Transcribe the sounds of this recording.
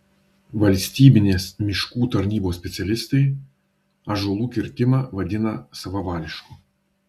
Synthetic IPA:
vɐlʲsʲtʲibʲɪnʲɛsmʲɪʃkut̪ɐrnʲibosʲpʲɛt̪sɨɐlʲɪst̪ɨj | ɐʒʊlˠukʲɪrʲt̪ʲɪmɐvɐdʲɪnɐsɐvɐvalʲɪʃkʊ

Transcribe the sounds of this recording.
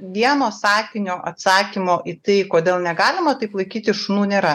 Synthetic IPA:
ʋʲiɛnoːsɑːkʲɪnʲoːʔɐt̪sɑːkʲimoːʔit̪ɐɪkoːd̪ʲeːlˠnʲɛɡɑːlʲɪmɐt̪ɐɪplˠɐɪkʲiːt̪ʲɪʃʊnuːnʲeːɾɐ

